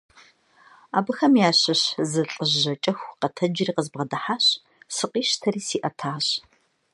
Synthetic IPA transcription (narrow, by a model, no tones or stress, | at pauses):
a̰ːbɨxɐmjaːɕɐɕzɨɬʼəʑɐt͡ʃʼɐxʷqɐtʰɐd͡ʒɪriːqəzbʁɐdɐħaːɕ | sɨqʼiːʃtʰɐriːsiːʔɐtʰaːɕ